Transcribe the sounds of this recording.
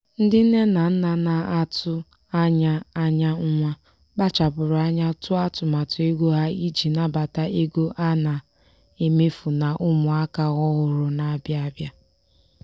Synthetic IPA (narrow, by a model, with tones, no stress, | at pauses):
n̩˦dɪ˦n̩˦ne˦na˨n̩˦na˨na˨ʔa˦tʊ˦ | a˦ɲa˦a˦ɲa˦ŋ̩˦ŋʷa˦ | ɡ͡ba˦t͡ʃa˨bʊ˨ɾʊ˨a˦ɲa˦tʊ˦a˦tʊ˨ma˨tʊ˨e˦ɡʷo˦ɦa˦i˦d͡ʒi˨na˦ba˨ta˦ʔe˦ɡo˦ʔa˦na˨ | e˨me˦fu˨na˨ʔʊ˦mʊ˨a˦ka˦ɣɔ˦ɣʊ˨ɾʊ˨na˨˦bja˦a˦bja˦